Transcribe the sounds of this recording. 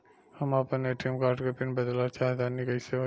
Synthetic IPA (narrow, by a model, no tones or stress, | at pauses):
hɐmaːpəneʈʰimkaːɾʈkɐpinbɐd̪lat͡ʃʰaɦd̪anːikɐjse